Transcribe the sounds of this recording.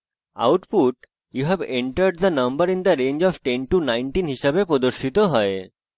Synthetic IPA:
a̰wʈpuʈ | juɦɛbeɳʈəɾɖ̚d̪ənʌ̃mbəɾĩnd̪əɾẽnd͡ʒɔfʈẽnʈunajɳʈinɦiʃabepɾod̪oɾʃit̪oɦɔe

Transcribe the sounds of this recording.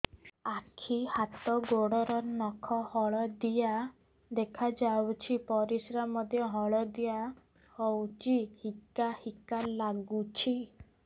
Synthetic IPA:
akʰihat̪ɔɡoɽɔɾɔnɔkʰɔhɔɭɔd̪ija | d̪ekʰad͡ʒawt͡ʃʰipɔɾisɾamɔd̪ʱjɔɦɔɭɔd̪ija | hɔwt͡ʃʰihikahikalaɡut͡ʃʰi

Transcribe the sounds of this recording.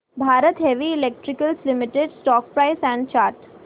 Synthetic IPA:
bʱaːɾət̪ɦeʋiɪlek̚ʈɾɪkəlslɪmɪʈeɖsʈɔːk̚pɾaɪsɛ̃ɳɖ̚t͡ʃaːɾʈ

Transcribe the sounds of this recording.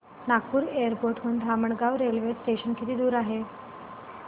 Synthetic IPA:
nak̚puːɾeəɾpoɾʈɦund̪ʱaməɳɡaʋɾelʋesʈeɕənkit̪iːd̪uːɾaɦe

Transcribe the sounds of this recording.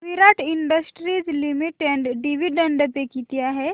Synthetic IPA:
ʋiɾaʈiɳɖəsʈɾizlimiʈeɳɖɖiʋiɖəɳɖəpekit̪ijaɦɛ

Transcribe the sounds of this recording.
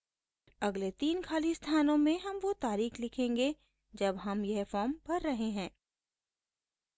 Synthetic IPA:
ɐɡlet̪iːnkʰaːlist̪ʰaːnõmẽɦɐmʋot̪aːɾiːxlɪkʰẽːŋɡe | d͡ʒɐbɦɐmjɐɦfɔːmpɐɾːɐɦeɦɛ̃ː

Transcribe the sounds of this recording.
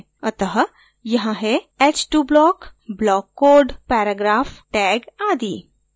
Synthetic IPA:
ɐt̪əɦ | jɐɦãɦe | et͡ʃʈuːblɔːkblɔːkːoːɾɖpɛːɾəɡɾaːfʈɛːɡaːd̪iː

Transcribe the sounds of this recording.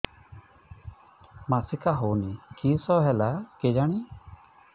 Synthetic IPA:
masikaɦonikisɔɦɛlaked͡ʒaɽ̃i

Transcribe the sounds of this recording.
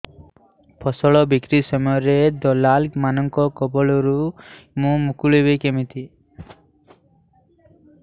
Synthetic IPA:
pʰɔsɔɭɔbikɾisɔmɔjɔɾed̪ɔlalmanɔŋkɔkɔbɔɭɔɾumũmukuɭebekemit̪i

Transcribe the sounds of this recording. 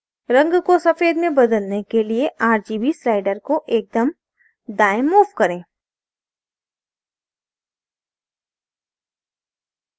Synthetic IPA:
ɾɐ̃ŋɡkosɐfeːd̪mẽbɐd̪əlnekelieʔaːɾd͡ʒiːbislaːɪɖəɾkoʔeːk̚d̪əm | ɖaːɪmːuːʋkɐɾẽː

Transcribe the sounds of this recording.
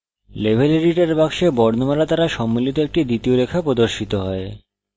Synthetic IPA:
lebʱeleɾiʈeɾbaɡʃebɔɾnomaɾat̪aɾaʃɔmːilit̪oek̚ʈid̪it̪ioɾekʰapɾod̪oɾʃit̪oɦɔe

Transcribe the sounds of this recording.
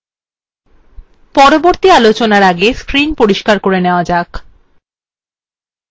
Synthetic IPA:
pɔɾoboɾt̪ialot͡ɕonaɾaɡeskɾinpoɾiʃkaɾkoɾeneoad͡ʑak

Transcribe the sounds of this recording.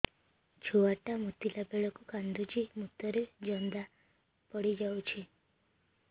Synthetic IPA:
t͡ʃʰoaʈamut̪ilabeɭɔkukand̪ud͡ʒimut̪ɔɾed͡ʒɔnd̪a | pɔɽid͡ʒawt͡ʃʰi

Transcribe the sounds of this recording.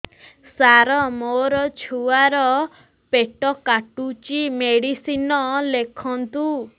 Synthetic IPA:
saɾɔmoɾɔt͡ʃʰuaɾɔ | peʈɔkaʈut͡ʃimeɽisinɔlekʰɔnt̪u

